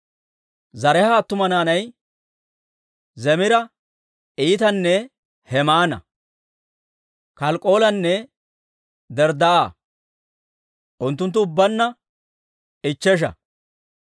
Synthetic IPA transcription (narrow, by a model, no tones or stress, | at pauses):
zɐɾɛhat̪ːʊmɐnaːnɐj | zɛmɪɾɐ | iːt̪ɐnːɛ | hɛmaːnɐ̰ | kɐlkʼːo̞ːlɐnːɛ | d̪ɛɾd̪ɐaː | ʔʊnt̪ːʊnt̪ːʊːbːɐnːɐ | ɪt͡ʃːɛʃ̬ɐ̰